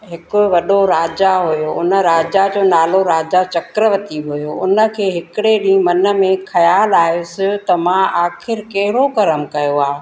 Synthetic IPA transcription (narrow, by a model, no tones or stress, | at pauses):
ɦɪkoʋɐɗoɾaːd͡ʑaɦʊjoʔʊnə̆ɾaːd͡ʑad͡ʑoːnaːloɾaːd͡ʑat͡ɕɐkɾəʋət̪iɦʊjoʊnə̆kʰeːɦɪkɪɽeɗĩːmɐnə̆mẽxʰɐjaːlaːɦjosɪt̪ɐmãʔaːxʰɪɾkɐɦɪɽokɐɾəmkɐjoaː